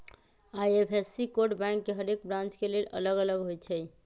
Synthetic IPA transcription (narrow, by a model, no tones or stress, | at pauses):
ajepʰesːikoɖbɛ̃ŋkːeɦəɾekbɾãnt͡ʃkelelə̰ləɡələɡɦojt͡ʃʰɛj